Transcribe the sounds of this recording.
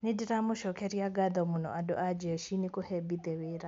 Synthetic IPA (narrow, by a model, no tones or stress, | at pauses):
nidiɾamuʃɔkeɾjaɡaðɔmunɔʔadɔʔad͡ʒeʃinikohɛbid̪ɛweɾa